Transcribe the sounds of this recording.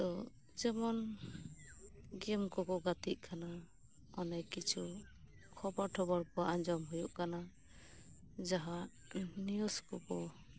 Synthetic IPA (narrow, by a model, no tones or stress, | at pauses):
t̪ɔ | d͡ʒɛmɔn | ɡɛmkɔkɔɡat̪iʔ̚ˀkʰana | ɔnajkit͡ʃʰu | kʰɔbɔɾʈʰɔbɔɾpɔʔaɲd͡ʒɔmɦujuʔkana | d͡ʒaɦa | nijuskɔkɔ